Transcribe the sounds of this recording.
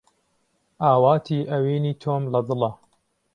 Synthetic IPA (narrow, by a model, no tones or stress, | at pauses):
ʔaːwaːt̪ʰiːʔɐwiːniːt̪ʰoːmlɐd̪ɨlɐ